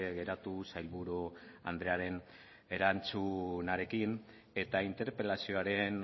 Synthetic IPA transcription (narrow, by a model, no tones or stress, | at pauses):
eɣe̞ɾat̪usajlβuɾua̰nd̪ɾe̞aɾe̞n | e̞ɾant͡sunaɾe̞kin | e̞t̪aint̪e̞ɾpe̞lasio̞aɾe̞n